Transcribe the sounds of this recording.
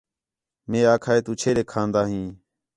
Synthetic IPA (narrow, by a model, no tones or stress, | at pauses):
mẽːaːkʰaːeːt̪uːt͡ʃʰeːɾeːkʰãːnd̪aːɦĩː